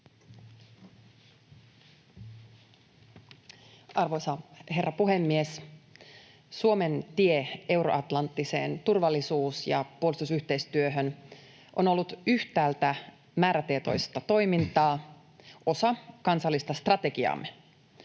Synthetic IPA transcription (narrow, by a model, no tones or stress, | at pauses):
ɑrʋo̞jsɑhe̞rːɑpuɦe̞mːies | suo̞me̞nt̪iee̞wɾo̞ʔɑt̪lɑnt̪ːise̞̰ːnt̪urʋɑlːisuːsjɑ̰puolist̪usyht̪ejst̪yøɦøn | ʔo̞no̞lːut̪yht̪æːlt̪æ | mæːɾæt̪iet̪o̞̰jst̪ɑt̪o̞jmint̪ɑː | ʔo̞sɑkɑnsɑlːist̪ɑst̪rɑt̪e̞ɡiɑ̰m